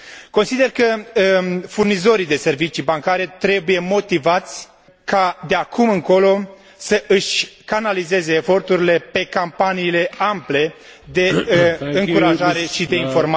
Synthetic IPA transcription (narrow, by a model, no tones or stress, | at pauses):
ko̞nsid̪e̞rkə | furnizo̞ɾid̪e̞se̞rvit͡ʃibaŋkaɾe̞t̪ɾe̞buje̞mo̞t̪ivat̪sʲ | kad̪eakʰumɨŋko̞lo̞ | səʔɨʃʲkanalize̞ze̞ːfo̞rt̪uɾile̞pe̞kampaniːle̞ample̞ | d̪e̞ɨŋkuɾaʒaɾe̞ʃid̪e̞info̞rma